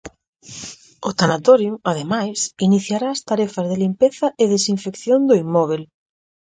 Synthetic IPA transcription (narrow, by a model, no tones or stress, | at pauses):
ʊt̪anat̪oɾjuaðemajsiniθjaɾaːst̪aɾɛfɐzðelimpeθɐʔɪðesiɱfekθjond̪oimɔβ̞el